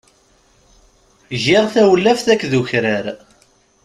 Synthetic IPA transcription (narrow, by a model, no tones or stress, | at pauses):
ʝɪʁθæwəlːæfθækːðuçɾæɾ